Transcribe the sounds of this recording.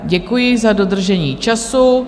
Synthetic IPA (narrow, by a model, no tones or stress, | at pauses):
ɟɛkujɪzado̞d̪r̩ʒɛɲiːt͡ʃasu